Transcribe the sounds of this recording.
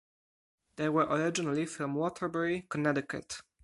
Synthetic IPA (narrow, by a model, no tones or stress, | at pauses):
d̪ejwɛɹʔɔɹɪd͡ʒɪnalifɾɔ̃mwɔtʰəɹbɛɹikɔnɛdɪkʰə̰t